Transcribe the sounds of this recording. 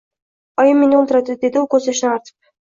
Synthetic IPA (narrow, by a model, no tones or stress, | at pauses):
ɑjɯmʲːenɪolˠt̪ʊɾɑt̪ed̪ed̪iokɵzeʃnɑɾt̪ʰɯ̥p̚